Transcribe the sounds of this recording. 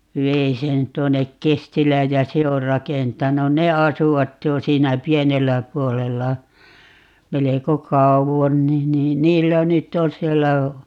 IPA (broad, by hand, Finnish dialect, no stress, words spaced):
ʋei sen tuonːek kestilˑæːj jɑ se or rɑkentɑnun ne ɑsuʋɑt jo siːnæ pienelːæ puolelːɑ meleko kɑuʋon ni niːn niːlːæ nytː on sielːæ